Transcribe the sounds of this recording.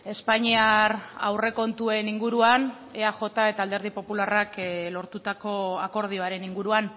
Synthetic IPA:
e̞spaɲiara̰wre̞ko̞nt̪ue̞niŋɡuɾuan | eaʝo̞t̪ae̞t̪aːld̪e̞ɾð̞ipo̞pularaklo̞ɾt̪ut̪ako̞ako̞ɾð̞io̞aɾe̞niŋɡuɾuan

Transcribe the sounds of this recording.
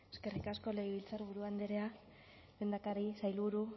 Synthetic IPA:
e̞ske̞rikasko̞leɣiβilt͡saɾβuɾuand̪eɾea | βe̞nd̪akaɾisajlβuɾu

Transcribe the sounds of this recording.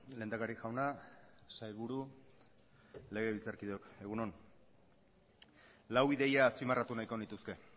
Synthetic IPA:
le̞ːnd̪akaɾiʝawnasajβuɾu | le̞ɣ̞e̞βilt͡saɾkiðoke̞ɣ̞unon | lawiðe̞jaːspimarat̪unajko̞nit̪uske̞

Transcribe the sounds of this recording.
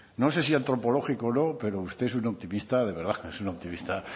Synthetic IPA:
no̞s̬e̞siant̪ɾo̞po̞lo̞xikono̞pe̞ɾo̞ust̪e̞esunop̚t̪imist̪að̞e̞βe̞ɾðaesunop̚t̪imist̪a

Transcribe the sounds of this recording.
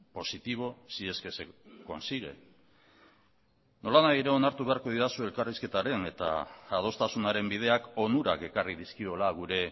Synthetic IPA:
po̞sit̪iβ̞o̞sie̞ske̞se̞ko̞̰nsiɣ̞e̞̰ | no̞lanajiɾe̞o̞naɾt̪uβe̞aɾko̞ð̞iðasue̞lkariske̞t̪aɾe̞ne̞t̪a̰ːð̞o̞st̪asunaɾe̞mbið̞e̞ako̞nuɾa̰ke̞karið̞iskio̞laɣ̞uɾe̞

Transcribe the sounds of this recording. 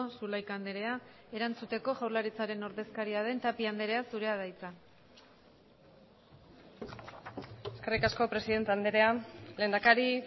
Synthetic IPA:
sulajkand̪eɾe̞a | e̞ɾant͡sut̪e̞ko̞ʝawɾlaɾit͡saɾe̞no̞ɾðe̞skaɾiað̞e̞nt̪apiand̪eɾeasuɾe̞að̞ajt͡sa | eskerikasko̞pɾe̞siðe̞nt̪eand̪eɾe̞ale̞ːnd̪akaɾi

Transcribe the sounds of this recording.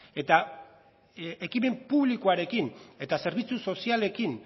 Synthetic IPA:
e̞t̪a | ekime̞mpuβlikoaɾe̞kine̞t̪ase̞ɾβ̞it͡suso̞siale̞kin

